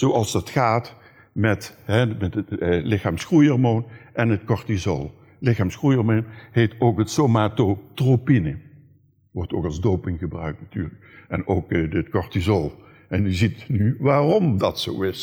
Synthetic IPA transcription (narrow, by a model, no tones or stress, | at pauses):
z̥oɑlˠzdɑtxaːt | mɛtɦɛmɛtətlɪxaːmsxrujɔrmoːnʔɛnətkɔɹtizo̰lˠ | lɪxaːmsxrujɔrmonhejtoːkɦətsomaːtotropinə | ʋɔɹtoːkɑlˠzdowpɪŋɣəbrœ̰ɥk̚tnatyːɹlək̚ʔɛnoːkətkɔɹtizolˠ | ʔɛnjəzitnyʋaːrɔmdɑtso̰ːɪs